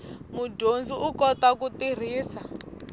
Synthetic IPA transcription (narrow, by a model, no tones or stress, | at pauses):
muɟond͡ziukɔtakutir̤iːsa